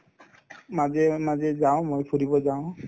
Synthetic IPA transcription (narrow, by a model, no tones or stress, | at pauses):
mazɛmazɛzaʊ̃mojpʰuɾibɔzaʊ̃